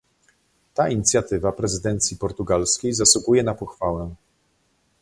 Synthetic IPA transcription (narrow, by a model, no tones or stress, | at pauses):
t̪aiɲit̪sʲjat̪ɘvapɾɛzɘd̪ɛnt̪sʲjipɔɾt̪uɡalskʲejzaswuɡujɛnapɔxfawɛ̃